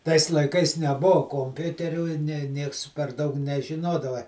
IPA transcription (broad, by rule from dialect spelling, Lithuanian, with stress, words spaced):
tɐɪs lˠɐɪˈkɐɪs nʲɛˈboːʊ koːmʲˈpʲʊtʲɛrʲuː ɪ ˈnʲɛ ˈnʲiɛks pʲɛr ˈdɐʊk nʲɛʒʲɪˈnoːdɐʋɐ